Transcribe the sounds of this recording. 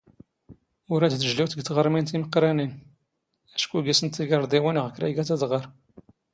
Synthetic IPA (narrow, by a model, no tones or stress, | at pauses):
ʊɾæd̪θəʒliwt̪əɡt̪ʁəɾˤmint̪iməqːɾænin | æʃkuɡisənt̪ːiɡəɾˤd̪ˤiwinʁəkɾa̰jɡæt̪æd̪ʁəɾˤ